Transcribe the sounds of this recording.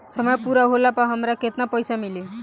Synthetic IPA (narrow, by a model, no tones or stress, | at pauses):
sʌmʌjpuɾaɦolapaɦʌmɾakʰet̪napʌjsamili